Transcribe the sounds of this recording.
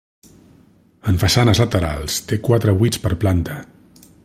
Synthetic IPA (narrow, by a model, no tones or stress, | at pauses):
əɱfəsanəzlət̪əɾa̰lˠst̪ekwat̪ɾəβujt͡spəɾplant̪ə